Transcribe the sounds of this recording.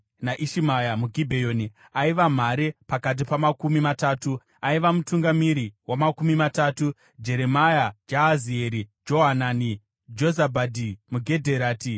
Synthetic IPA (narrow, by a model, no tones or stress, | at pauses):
naʔiʃimajamuɡʱibʱejo̞ːni | aiʋam̤aɾepakat̬ipamakumimataːtu | aiʋamutuŋɡamiɾiwamakumimataːtu | d͡ʒe̞ɾe̞majad͡ʒaɦazieɾid͡ʒo̞ɦanani | d͡ʒo̞zabʱadʱimuɡʱe̞dʱe̞ɾaːti